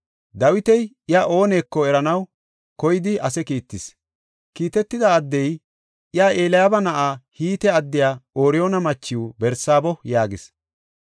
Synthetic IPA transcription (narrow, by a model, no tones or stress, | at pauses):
d̪ɐwɪt̪ɛj | ɪjaːʔo̞ːne̞ːkːɔɛɾɐnɐw | kɔjɪd̪ɪɐsɛkiːt̪ːɪs | kiːt̪ɛt̪ːɪd̪aːd̪ːɛj | ʔɪjaːʔeːlɐjabɐnɐʔaːhiːt̪ɛɐd̪ːɪjaːo̞ːɾɪjoːnɐmɐt͡ʃːɪwbɛɾsaːbɔjaːɡɪs